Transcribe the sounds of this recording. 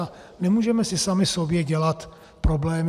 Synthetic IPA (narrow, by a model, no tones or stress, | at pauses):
nɛmuːʒɛmɛsɪsamɪso̞bjɛɟɛlat̪ | pɾo̞blɛːm